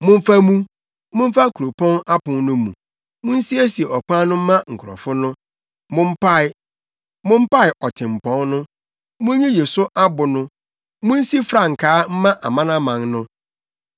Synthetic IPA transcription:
mʊ̃˦m̩˦fa˦mũ˦ | mʊ̃˦m̩˦fa˦kʰu˨ɾo˨pʰɔ̃˦na˦pʊ̃˨nnʊ̃˦mṵ̃˨ | mʊ̃˦n̩˦si˦æ˦si˨e˨ʔɔ˨kã˦nʊ̃˦m̩˦mã˦ŋ̩˨kʰʊ˨ɾɔ̰˨fʊ˦nʊ̃˦ | mʊ̃˦m̩˦pa˦ɪ˦ | mʊ̃˦m̩˦pa˦ɪ˨ʔɔ˨tʰɪ̃˨m̩˨pʰɔ̃˦nnʊ̃˦ | mʊ̃˦ɲĩ˦je˨sʊ˦ʔa˦bʊ˨nʊ̃˦ | mʊ̃˦n̩˦si˦fɾa˨ŋ̩˨kʰaː˨˦m̩˦mã˦ʔa̰˨mã˦nã˦mã˨ŋnʊ̃˦

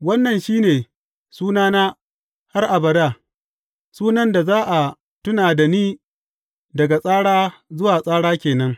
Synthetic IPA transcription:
wɐ˦nːɐ˨nʃiː˦neː˨ | suː˦naː˦naː˦ | ha˦rʔa˨bɐ˨daː˦˨ | suː˦nɐ˦nda˨zaː˦ʔa˨ | tʊ˦naː˨da˨niː˦ | dɐ˨ɡa˨sʼaː˦ɽaː˦zʊ˦waː˨sʼaː˦ɽaː˦kʲeː˨nɐ˦ŋ

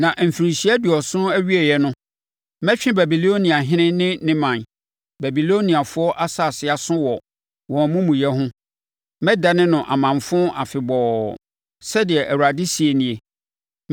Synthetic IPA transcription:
nã˨ʔm̩˨fi˨ɾɪ̃˨ɕi˦ɛ˦dʊ˨ɔ˨sʊ̃˦æ˦ɥi˦e˨jɛ˦nʊ̃˦ | mɛ̃˦t͡ɕᶣɪ̃˦bæ˨bi˨lo˦nĩ˨a˨ɦɪ̃˦nɪ̃˦nɪ̃˦nɪ̃˦mã˨n | bæ˨bi˨lo˦nĩ˨a˨fʊ˦ɔ˦ʔa˦sa˦˨sɪ˨a˨sʊ̃˦wɔ˨ | wɔ̃˨mũ˦mũ˨jɛ˦ɦʊ̃˦ | mɛ˦da˨nɪ̃˦nʊ̃˨ʔa̰˨mã˨mfʊ̃˦ʔa˨fɪ˨bɔː˨ | sɛ˦dɪ˨ɛ˨ʔæ˨wu˨ɾa˨dɪ˦si˨e˨nɪ̃˨e˨

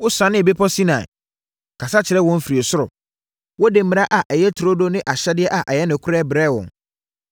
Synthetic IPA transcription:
wʊ˦sã˨˦nɪ̃˦e˨be˦pʰɔ˦si˦nã˨ɛ̰˨ | kʰa˨sa˦t͡ɕʰɪ˨ɾɛ˦wɔ̃˦m̩˦fiɾi˨e˨sʊ˦ɾʊ̰˨ | wɔ˦de˨m˨mɪ̃˨ɾa˦ʔa˨ʔɛ˨jɛ˦tʰʊ˨ɾo˦do˦nɪ̃˦ʔa˨ɕɛ˦dɪ˦ɛ˦ʔa˨ʔɛ˨jɛ˦nɪ̃˨kʰʊ˦ɾɛ˦bɾɛ˦˨wɔ̰̃˨ŋ

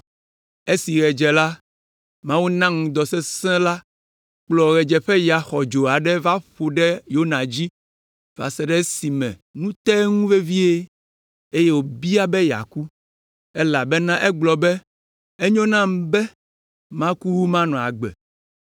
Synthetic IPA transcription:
e˦si˨ɣɛ˨d͡ʒɛ˨la˦ | mã˦wu˦nã˦ŋũ˨d̪ɔ˨sɛ˦sɛ̃˦la˦ | k͡plɔ˨ɣɛ˨d͡ʒɛ˨ɸɛ˦ja˨xɔ˨d͡ʒo˨a˨ɖɛ˦va˦ɸo˨ɖɛ˦jo˦nã˨d͡ʑi˦ | va̰˨sɛ˦ɖɛ˦si˨mɛ̰̃˨nũ˦t̪ɛ˦ŋũ˦ve˦vi˦e˦ | e˦je˦wo˨bi˦a˦bɛ˦ja̰˨ku˦ | ɛ˦la˨bɛ˦nã˦ʔɛ˦ɡ͡blɔ˨bɛ˦ | e˦ɲɔ̃˦nã˦m˦bɛ˦ | mã˦ku˦wu˦mã˦nɔ̃˨a̰˨ɡ͡bɛ̰˨

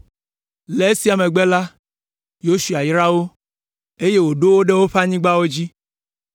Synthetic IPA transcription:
le˨˦e˦si˨˦a˨mẽ˨ɡ͡bɛ˦la˦ | jo˦su˨a˨jɾa˦wo˦ | e˦je˦wo˨ɖo˦wo˦ɖe˦wo˦ɸa˦ɲĩ˦ɡ͡ba˦wo˦d͡ʑi˦

